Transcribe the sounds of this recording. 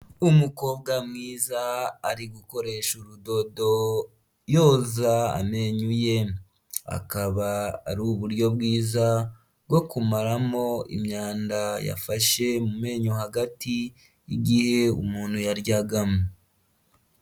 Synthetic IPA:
umuko̞ːb̚ɡamŋiːzaːɾiɡuko̞ɾe̞ʃuɾudo̞do̞ | jo̞ːzaa̰me̞ɲuje̞ | a̰kaβa̰ːɾuːβuɾɟo̞bɡiːza | ɡwo̞kumaɾamo̞ḭmɲaːndaja̰faʃe̞mume̞ːɲohaɡatiː | ɡihe̞ṵmuːnhujaɾɟaɡame

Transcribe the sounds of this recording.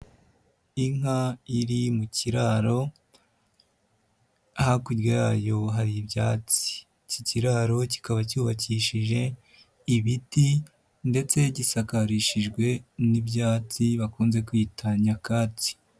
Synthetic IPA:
iŋaiɾimuciɾaɾo̞ | hakudwojaːjo̞ɦaɾibjaːt͡si̥ | ciciɾaɾo̞ci̥kaβacuːβaciʃiʒe̞ | iβiti | nde̞t͡se̞ɟisakaɾiʃiʒɡwe̞nibjaːt͡siβakuːnze̞kwitʰaɲakaːt͡si̥

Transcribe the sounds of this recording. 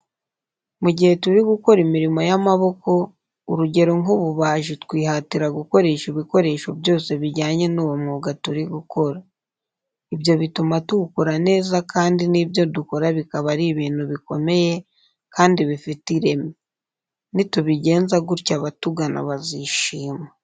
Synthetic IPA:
muɟihe̞tuɾiɡuko̞ɾimiɾimo̞jamaβo̞ko̞ | uɾuɟe̞ɾoŋuβuβaːʒitkwiːɦatiɾaɡuko̞ɾe̞ːʃiβiko̞ɾe̞ːʃobjo̞ːse̞βiɟaːɲe̞nuːwomŋuɡatuɾiɡuko̞ɾa | ibjo̞βitumatuɡukoɾane̞ːzakaːndiniːbjo̞duko̞ɾaβikaβaɾiβiːn̥huβiko̞me̞je̞ | kaːndiβifitiɾe̞me | nituβiɟe̞ːnzaɡuɾcaβatuɡanʔa̰βaziʃiːma

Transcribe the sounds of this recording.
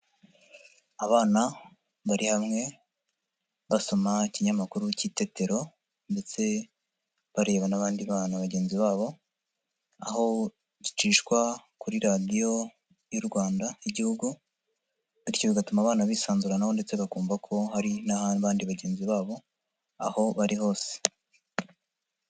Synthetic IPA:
aβaːna | βaɾʔihamŋe̞ | βaso̞maciɲamakuɾucite̞teɾo̞ | nde̞t͡se̞ | βaɾe̞ːβanaβaːndiβaːnaβaɟe̞ːnziβaːβo̞ | a̰ho̞ | ɟit͡ʃiːʃkwakuɾiɾadijo̞ | juɾɡwaːndaiɟihuɡu | βiɾcoβiɡatumaβaːnaβiːsaːnzuɾanaho̞nde̞t͡se̞βakuːmbakʰo̞haɾinaβaːndiβaɟe̞ːnziβaːβo̞ | a̰ho̞βaɾiho̞ːse̥

